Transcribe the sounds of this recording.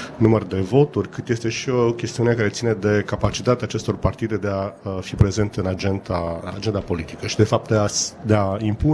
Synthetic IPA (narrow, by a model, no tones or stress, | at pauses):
numərd̪e̞vo̞t̪urʲkɨt̪je̞st̪e̞ʃio̞kʲest̪iunekaɾesine̞d̪e̞kapat͡ʃit̪at̪eaːt͡ʃe̞st̪o̞rpart̪id̪e̞d̪e̞afipɾe̞ze̞nt̪ɨnad͡ʒent̪aɨnad͡ʒe̞nd̪apo̞lit̪ikəʃid̪e̞fap̚t̪̚d̪ead̪eaimpu